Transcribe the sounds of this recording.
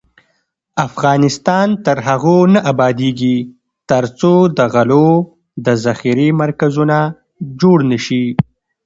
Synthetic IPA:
afɣɑnɪst̪ɑnt̪əɾɦaɣonaʔabɑd̪eɡi | t̪əɾt͡sod̪əɣalo | d̪əzaxiɾemaɾkazuna | d͡ʒoɽnəʃi

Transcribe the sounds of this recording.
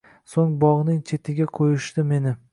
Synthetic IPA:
soŋbɒʁnɪŋt͡ʃʰe̞t̪ʰɪɡʲaqʰojɪʃt̪ɪme̞nɪ

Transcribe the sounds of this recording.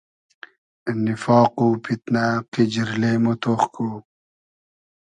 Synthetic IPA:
nifɑːqupʰit̪naqid͡ʑiɾlemot̪oːχkuː

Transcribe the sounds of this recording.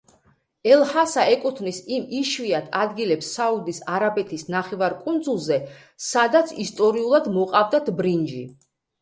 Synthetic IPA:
ɛlˠhasaɛkʼut̪ʰvnisimiʃviat̪ʰad̪ɡilɛpsːaud̪isaɾabɛt̪ʰisnaχɛvaɾkʼund̪zulˠzɛ | sad̪at̪sʰist̪ʼɔɾiulˠad̪mɔqʼavd̪at̪ʰbɾind͡ʒḭ

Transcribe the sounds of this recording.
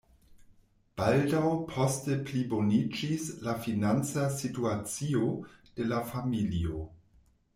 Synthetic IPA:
b̥aldawpʰo̞steplibo̞nid͡ʒislafinant͡sasituat͡sio̞d̥e̞lafamilio̞

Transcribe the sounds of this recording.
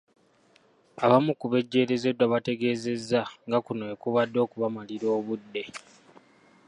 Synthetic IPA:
aβamukuβe̞ɟːe̞ːɾe̞ze̞dːwaβate̞ɡe̞ːze̞zːaŋɡakunoekuβadːo̞ːkuβamaliɾo̞ːβudːe̞

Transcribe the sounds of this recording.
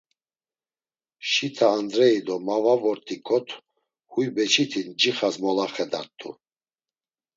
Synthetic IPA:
ʃit̪ʰaːnd̪ɾɛid̪ɔmavavɔɾt̪ʰʼikʰʼɔt̪ʰ | hujbɛt͡ʃʰit̪ʰind͡ʒiχazmɔlaχɛd̪at̪ʼːṵ

